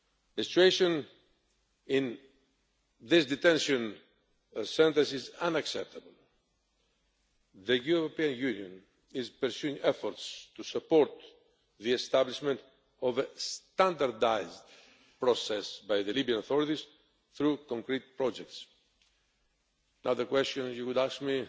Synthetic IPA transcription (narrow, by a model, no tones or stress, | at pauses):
ðəsi̥t͡ʃueʃɔ̃n | ĩn | ðɪsd̪it̪ɛ̃nʃɔ̃n | sɛ̃nt̪ə̃sizãnaksɛp̚t̪ʰabəl | ðəjuɾopiãnjunjɔ̃n | izpəɾsjuĩŋɛfɔɾt̪st̪usəpɔɾt̪ | ðiɛst̪abliʃmɛ̃nt̪ | ɔvəst̪ãnd̪aɾd̪ajzd̪ | pɾɔsɛsbajðəlibiãnoθɔɾit̪iz | θɾukɔ̃ŋkɾit̪̚pɾɔd͡ʒɛk̚t̪s | anaðəkwɛst̪jɔ̃njukud̪askmi